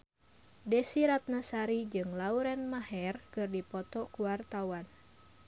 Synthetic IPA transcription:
dɛsiɾat̪̚nasaɾid͡ʒɨŋlauɾɛnmahɛrkɨrdipɔt̪ɔkuwart̪awan

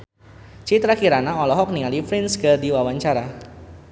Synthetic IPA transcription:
t͡ʃit̪ɾakiɾanaɔlɔɦɔk̚niŋalifɾinsɡərdiwawaɲt͡ʃaɾa

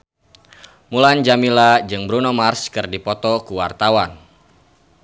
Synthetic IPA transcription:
muland͡ʒamilad͡ʒɨŋbɾunɔmarskɨrdipɔt̪ɔkuwa̰rt̪awan

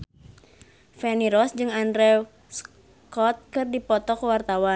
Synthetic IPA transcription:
fɛniɾɔsd͡ʒɨŋandɾɛ | s | kɔt̪̚kɨrdipɔt̪ɔkəwart̪awa

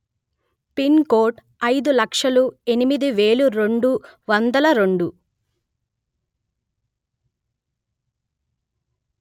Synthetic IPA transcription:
pinko̞ːʈ | ɐjd̪ulɐkʂɐlue̞nimid̪iʋe̞ːluɾe̞ɳɖuʋɐnd̪ɐlɐɾe̞ɳɖu

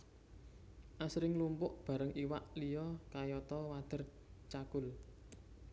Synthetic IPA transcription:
ʔasɾɪŋlumpʊʔb̥a̤ɾəŋʔiwaʔlijɔkajɔt̪ɔwad̪̥ə̤r | t͡ʃakʊl

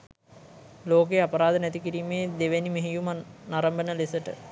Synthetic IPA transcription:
loːk̬ejapɐɾaːd̪ənɛt̪ikiɾiːmeːd̪eʋenimeɦijumnaɾəmbənəlesəʈə

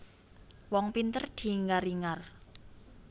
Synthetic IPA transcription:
wɔŋpint̪ərd̪̥i̤ŋaɾiŋar

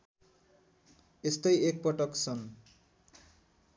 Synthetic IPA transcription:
est̪ejek̚pɔʈʌksʌn

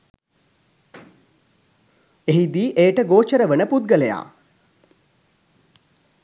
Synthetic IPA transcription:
eɦid̪iːʔejəʈəɡoːt͡ʃəɾəʋənəput̪̚ɡəleja̰ː

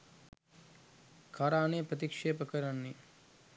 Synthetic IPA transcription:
kʰaːɾaːneːpɾɐt̪̬ikʂeːpɐkɐɾanːi

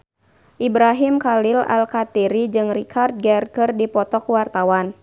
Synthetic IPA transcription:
ʔibɾaɦimkalila̰lkat̪iɾid͡ʒɨŋrikʰart̪̚ɡɛrkɨrdipɔt̪ɔkwart̪awan

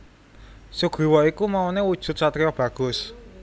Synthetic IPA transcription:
suɡ̥ɾi̤wɔikumaonewud̥ʒ̥ʊ̤t̪̚sat̪ɾijɔb̥ä̤ɡ̥ʊ̤s

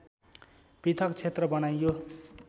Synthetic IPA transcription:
pit̪ʰʌkt͡sʰet̪rʌbʌnajjo

